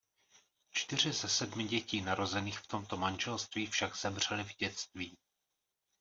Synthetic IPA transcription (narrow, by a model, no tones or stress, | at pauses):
t͡ʃt̪ɪr̝ɪzɛsɛdmɪɟɛciːnaɾo̞zɛniːxft̪o̞mt̪o̞manʒɛlst̪viːfʃaɡz̥ɛmr̝̥ɛlɪvɟɛt͡st̪viː